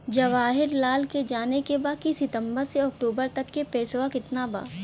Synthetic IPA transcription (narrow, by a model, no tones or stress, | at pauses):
d͡ʒɐʋaːɦɪɾlaːlked͡ʒaːnekebaːkisɪt̪ə̃mbəɾseɔːk̚ʈuːbəɾt̪ɐkːepɛːsʋakɪt̪naba̰ː